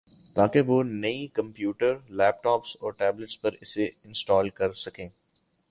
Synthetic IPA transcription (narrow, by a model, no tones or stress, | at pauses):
t̪aːkeʋoːnɐikɐ̃mpjuːʈəɾlɛːp̚ʈɔːpsɔːɾʈɛːbləʈspɐɾɪseɪ̃nsʈɔːlkɐɾsɐkẽː